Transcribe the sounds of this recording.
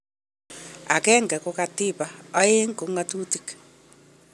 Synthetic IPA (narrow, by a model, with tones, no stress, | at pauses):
a̰˨kɛ˦ŋɡɛ˨ko˦ka˦ti˦paː˦e˦ŋko˨˦ŋa˦tu˦tik